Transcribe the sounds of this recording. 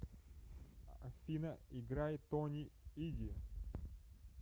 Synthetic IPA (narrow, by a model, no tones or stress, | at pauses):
ɐfʲinɐiɡɾajt̪onʲiidʲi